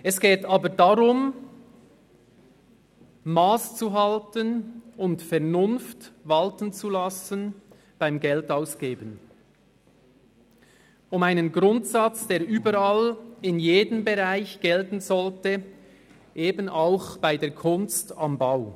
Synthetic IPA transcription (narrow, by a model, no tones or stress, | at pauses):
ʔɛsɡ̥ɛːtaːbədaʁʊm | maːst͡suɦaltənʊntfɛʁnʊnftvaltənt͡sulasən | b̥aɪmɡɛltaʊsɡ̥eːbən | ʊmaɪnənɡʁʊntsat͡sd̥eːɾʔyːbəɾalɪnjeːdəmbeʁaɪçɡ̥ɛltn̩zɔltə | ʔeːbən̩aʊxb̥aɪdeːɐkʰʊnstambaʊ